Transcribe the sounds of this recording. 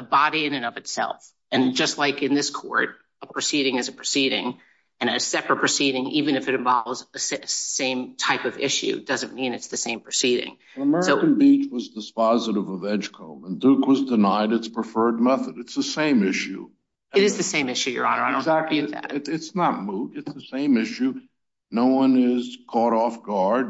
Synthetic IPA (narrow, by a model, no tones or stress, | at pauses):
əbɑɾiɨ̃nɨ̃nʌvɨtsɛ̰lˠf | ɨ̃nd͡ʒʌstˡlaɪkɨ̃nðɪskʰɔ̰ɹɾ | əpʰɹ̥ɨsiɾɪ̃ŋɨzɨpʰɹ̥ɨsiɾɪ̰̃ŋ | ɨ̃nɨsɛpɹɨt̚pʰɹ̥ɨsiɾɪ̃ŋivɨ̃nɨfɨɾɨ̃ɱvɑlˠvzɨssẽɪ̃mtʰaɪpʌvɪ̰ʃʉ̰d̥ʌzɨ̃nmĩnɨtsðɨsẽɪ̃mpʰɹ̥ɨsiɾɪ̰̃ŋ | əmɛɹsoʊ̃n̩bit͡ʃwʌzdɨspɑzɨɾɨvəvɛ̃nʒ̥kʰõʊ̃mə̃ndukwʌzdɨnaɪɾɨtspʰɹ̥ɨfɜ˞d̚mɛθəɾɨtsðɨsẽɪ̃mɪʃʉ | ɨɾɨzðɨsẽɪ̃mɪʃʉjə̰˞ɑ̃nəaɪõzæk̚æ̰ɨtsnət̚mudɨtsðəsẽɪ̃mɪʃʉ | noʊwʌ̃nɪz̥kʰɔɾɔfɡ̥ɑɹd̚